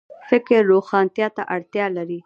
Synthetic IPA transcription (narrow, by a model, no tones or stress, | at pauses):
fɪkɪɾːoxɑnt̪jɑt̪aʔaɽt̪jɑlaɾi